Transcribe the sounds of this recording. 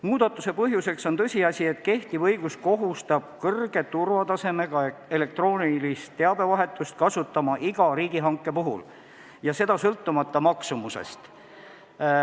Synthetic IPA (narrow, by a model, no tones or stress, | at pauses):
muːd̪̥ɑt̪ːˑuse̞pɤɦjuse̞kso̞nt̪ɤ̞sʲiɑsʲie̞t̪ke̞ht̪ivɤ̞jɡ̥usko̞ɦust̪ɑb̥̚kɤrɡ̥e̞t̪urvɑt̪ɑse̞me̞ɡ̥ɑee̞le̞k̚t̪roːnʲilist̪ːe̞ɑbe̞vɑɦe̞t̪ːˑust̪̚kɑsut̪ːˑɑmɑʔiɡ̥ɑɾiːɡ̥iɦɑŋkːˑe̞puɦṵl | jɑse̞d̪̥ɑsɤlt̪ːumɑt̪ːɑmɑksumusḛst̪